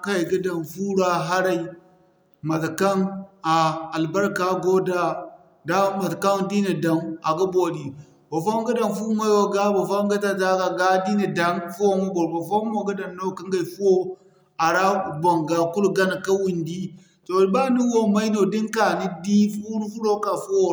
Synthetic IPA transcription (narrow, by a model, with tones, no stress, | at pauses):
ka˦˨ɡa˦da˨nfu˦ɾa˦ɦa˦ɾa˦˨i˨ | ma˨tka˦na˨a˨lba˦ɾka˨˦ɡo˦da˦ | da˦ma˨tka˦ndi˦ni˨da˨ma˨ɡa˦bo˨di˨ | bo˨fa˦m˦ɡa˦da˨nfu˦ma˦wo˨ɡa˦bo˨fa˦ɡa˦ta˦ta˦ka˨ɡa˦di˦ni˨da˨nfu˦wo˦mu˦bo˨ɾbo˨fo˦mo˨ɡa˦da˨nːo˦˨ka˦ŋɡa˦˨i˨fu˦o˦ | a˨ɾa˦˨bo˨ŋɡa˨ku˦lɡa˦n˨ka˦wu˨ndi˦ | to˨˦ba˦ni˦wo˦ma˦no˨di˦ŋka˨ni˦di˦fu˦ɾfu˦ɾo˦ka˨fu˦wo˦˨